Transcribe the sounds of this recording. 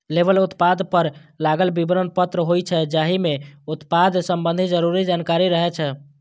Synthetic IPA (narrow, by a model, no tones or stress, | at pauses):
lebəlut̪pad̪pəɾlaɡəlbibɾənpət̪ɾəɦojt͡ʃʰɛd͡ʒaɦimeut̪pad̪ʱsəmbənd̪ʱid͡ʒəɾuɾid͡ʒankaɾiɾəɦɛt͡ʃʰɛ